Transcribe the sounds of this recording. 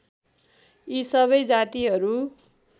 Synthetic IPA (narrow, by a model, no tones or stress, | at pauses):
isʌβʌjd͡zat̪iɦʌɾu